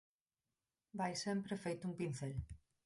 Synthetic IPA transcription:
bajsempɾefejt̪uŋpinθel

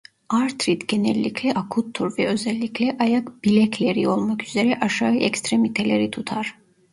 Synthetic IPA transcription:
aɾt̪ɾit̪ɟenɛlʲːicʰlɛʔakʰut̪ʰːuɾvɛø̞zɛlʲːiclʲɛʔajakb̥ilʲɛcʰlʲeɾio̞lˠmakyze̞ɾɛʔaʃaɯʔɛcst̪ɾemit̪ʰelʲeɾit̪ʰut̪ʰaɾ̥

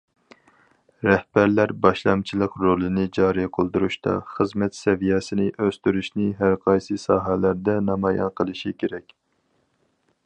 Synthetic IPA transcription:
ɾɛhbæɾlæɾbɑʃlˠɑmt͡ʃʰilˠəqɾolˠɨnɨd͡ʒɑːɾɨjqʰolˠd̪uɾuʃt̪ʰɑ̰χəzmɛt̪sɛvijɛsɪnɪʔøst̪yɾyʃnɪɦæɾqʰɑjsɨsɑːɦɛlæɾd̪ɛnɑmɑjɑ̰nqʰəlˠɨʃikʲʰeɾɛkʲ

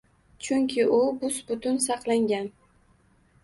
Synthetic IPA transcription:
t͡ʃʰʊŋkʲʰɪʔʊbʊsbʊt̪ʰʊns̬ɑqlˠaŋɡʲan

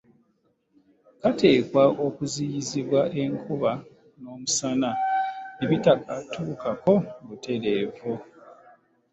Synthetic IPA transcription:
kate̞ːkwaʔo̞kuzijiziβwaʔe̞ŋkʰuβa | no̞ːmusananeβitakatʰuːkako̞βutʰe̞ɾeːvu

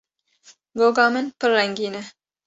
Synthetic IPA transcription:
ɡoːɡɑːmɨnpɨrːɛŋɡiːnɛ

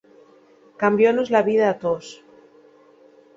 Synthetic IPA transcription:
kambjonozlaβiðaːt̪os

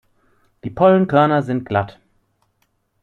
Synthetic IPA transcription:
d̥iːpʰɔlənkʰœɐnɐzɪnt̚ɡ̥lat

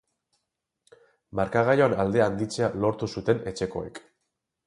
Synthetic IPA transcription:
maɾkaɣ̞ajoanald̪e̞and̪it͡se̞alo̞ɾt̪usut̪e̞ne̞t͡ʃe̞ko̞ḛk

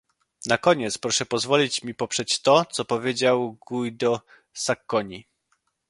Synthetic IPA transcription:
nakɔɲɛt̪spɾɔʂɛpɔzvɔlʲit͡ɕmʲipɔpʂɛt͡ɕt̪ɔt̪sɔpɔvʲjed͡ʑawɡujd̪ɔ | sakːɔɲi

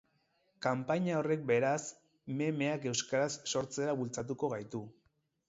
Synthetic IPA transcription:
kampaɲao̞re̞k̚be̞ɾas | me̞me̞ake̞wskaɾasːo̞ɾt͡se̞ɾaβult͡sat̪̬uko̞ɣajt̪u

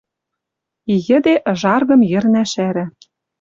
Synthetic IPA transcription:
ijɘ̆d̪eʔʒɑrɣɤ̆mjɘ̆rnæʃæɾɘ̆

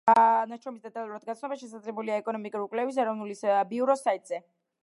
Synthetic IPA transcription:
naʃʰɾɔmisd̪ɛt̪ʼalˠuɾad̪ɡat̪sʰnɔbaʃɛsad̪zlɛbuliaɛkʼɔnɔmikʼuɾiulkʼwlɛvis̬ɛɾɔvnulisbiuɾɔsait̪ʼz̥ɛ

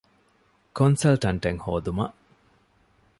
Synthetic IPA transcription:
konsɐlʈɐɳʈeŋhoːd̪umɐ̰ʔ

